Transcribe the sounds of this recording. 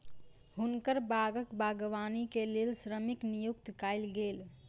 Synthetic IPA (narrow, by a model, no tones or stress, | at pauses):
hunkəɾbaɡəkbaɡʋanikelelsɾəmiknijukt̪kaɪlɡeːl